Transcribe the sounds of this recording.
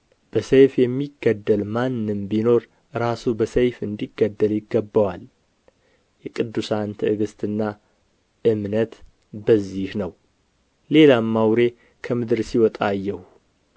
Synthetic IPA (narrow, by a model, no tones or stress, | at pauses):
b̥əsejfjɛmːiɡːəd̪ːəlmanːɨmbino̞ɾ | ɾasubəsejfɨnd̪iɡːəd̪ːəljɪɡːəbːəwal | jɛkʼɨd̪ːusant̪ʰɨɨɡɨst̪ʰʼɨnːa | ʔɨmnət̪ | bəzːihnəw | le̞lamːawɾe̞ | kʰəmɨd̪ɨɾsiwɔt̪ʼajːɛhu